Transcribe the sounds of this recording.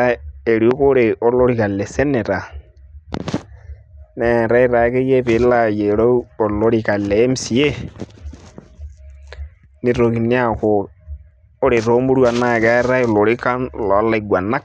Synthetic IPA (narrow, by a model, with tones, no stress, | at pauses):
a˦e˨ɾio˦ko˦ɾe˨o˦lo˦ɾika˨lɛ˨sɛ˦nɛ˨ɾa˨ | nɛ˨ɾa˦i˦ɾa˨ke˦je˦pɪ˨la˦je˨ɾo˦u˦o˨lo˦ɾika˨lɛː˨˦msi˨e˦ | ni˨ɾo˨ki˨ni˦a˦ko˨ | o˦ɾe˨ɾo˦mu˦ɾwa˨na˦˨kɛ˦ɾa˦o˨lo˨ɾi˦ka˦nlɔ˨˦la˨iɡwa˨na˦k̚